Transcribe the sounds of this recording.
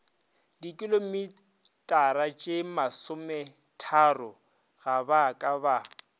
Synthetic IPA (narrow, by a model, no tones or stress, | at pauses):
dikʼɪlomi | tʼaɾat͡ʃʼɪmasʊmɛ | tʰarʊ | ɣabakʼaba